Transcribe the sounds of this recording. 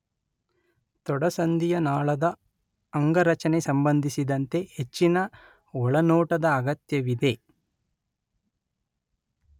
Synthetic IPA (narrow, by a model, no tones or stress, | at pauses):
t̪ɔɽɐsɐnd̪ijɐnaːɭɐd̪ɐ | ɐŋɡɐɾɐt͡ʃɐnesɐmbɐnd̪ʱisid̪ɐnt̪e̞het͡ʃːinɐ | ɔɭɐnɔːʈɐd̪ɐːɡɐt̪jɐʋid̪e̞